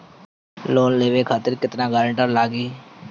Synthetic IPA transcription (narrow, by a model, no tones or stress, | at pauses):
loːnleːʋeːkʰaːt̪ɪɾkɪt̪nãːɡaːɾəɳʈəɾlaːɡiː